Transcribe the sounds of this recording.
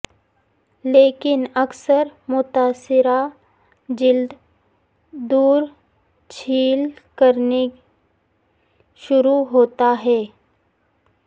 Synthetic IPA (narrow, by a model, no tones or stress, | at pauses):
leːkɪnɐksəɾmʊt̪aːsɪɾa | d͡ʒɪld̪ | d̪uːɾ | t͡ʃʰiːlkəɾne | ʃʊɾuɦoːt̪aɦɛː